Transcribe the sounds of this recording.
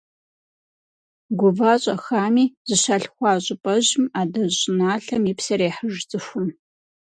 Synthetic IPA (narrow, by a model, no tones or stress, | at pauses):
ɡʷʊvaːɕʼɐxaːmiːz̥ɨɕaɬxʷɑːɕʼɪpʼɐʑɪmaːdɐɕʼnaːɬɐmiːpsɐɾeːħəʒt͡sʼɨxʷʊn